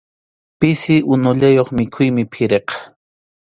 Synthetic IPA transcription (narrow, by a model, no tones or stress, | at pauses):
pɪsɪʔʊnʊʎajoχmɪkʰʊjmɪpʰɪɾeqɑ̥